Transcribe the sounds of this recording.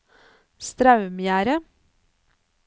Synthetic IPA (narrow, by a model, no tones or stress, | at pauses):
st̪ɾɑʉmjæːɾə